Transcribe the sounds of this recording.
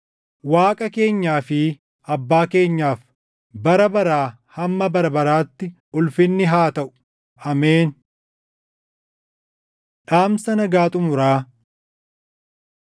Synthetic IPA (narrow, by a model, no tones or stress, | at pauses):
waːkʼɐke̞ːɲːaːfɪ | ʔɐbːaːke̞ːɲːaːf | bɐɾɐbɐɾaː | hɐmːɐbɐɾɐbɐɾaːt̪ːɪ | ʊlfɪnːɪɦaːt̪ɐʔʊ̥ | ʔɐmeːn | ᶑaːmsɐnɐɡaːt̪ʼʊmʊɾaː